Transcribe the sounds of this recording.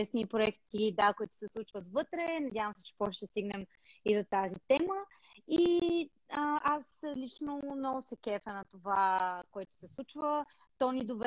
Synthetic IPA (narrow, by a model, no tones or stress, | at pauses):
ɛsnipɾoɛkt̪id̪akoit̪ʊ̥sɛslˠut͡ʃvət̪vɤt̪ɾɛnɐd̪ʲjavə̃msɛ̥t͡ʃɛ̥pɔʃʃt̪ɛst̪iɡnɛm | id̪ot̪azit̪ɛmə | i | əʔaslit͡ʃnomnɔɡʊsɛkɛfənɐt̪ovakoɛt̪ʊ̥sɛslˠut͡ʃvə | t̪ɔnid̪ov